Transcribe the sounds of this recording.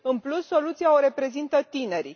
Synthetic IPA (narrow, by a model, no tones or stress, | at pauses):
ɨnplusːo̞lut̪siaoɾe̞pɾe̞zint̪ət̪ine̞ɾi